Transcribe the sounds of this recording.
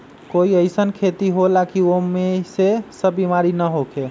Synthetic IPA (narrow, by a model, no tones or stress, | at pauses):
koiəɪsənkʰet̪iɦolakiomesesəbbimaɾinəɦokʰe